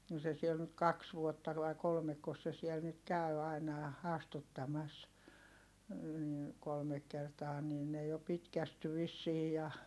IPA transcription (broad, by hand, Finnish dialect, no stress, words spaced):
no se siel nyt kɑks ʋuotːɑ ʋɑi̯ kolmekːos se siɛl nyt kæy ɑinɑ jɑ ɑstutːɑmɑs ni kolmek kertɑː niː ne jo pitkæsty ʋisːiː jɑ